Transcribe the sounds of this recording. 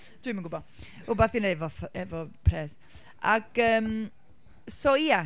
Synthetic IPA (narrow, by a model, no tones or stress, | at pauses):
d̥wɪːmənɡʊbɔ | ʊbaθinevɔfɛvɔpʰrɛːs | aɡ̥əːm | sɔia